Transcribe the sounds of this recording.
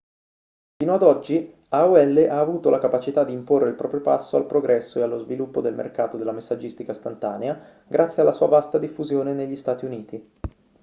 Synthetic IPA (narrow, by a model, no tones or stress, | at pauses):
fiːnoad̪ɔd͡ʒːi | auɛlːeʔaːvuːt̪olʔakapat͡ʃit̪ad̪ːiːmporːeilpɾɔːpɾjopa̰sːoa̰lpɾoɡɾɛsːoealːozvilupːod̪elmʔḛrkaːt̪od̪elːamesːad͡ʒːist̪ikast̪ant̪a̰ːnea | ɡɾʔat̪sːjealːasuːavast̪ad̪ifːuzjoːneneʎːist̪aːt̪iuniːt̪i